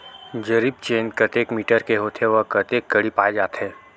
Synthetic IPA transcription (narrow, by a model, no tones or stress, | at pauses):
d͡ʒɐɾib̚t͡ʃeːnkɐt̪eːkmiːʈəɾkeɦoːt̪eʋɐkɐt̪eːkːɐɽipaːed͡ʒaːt̪ɦɛː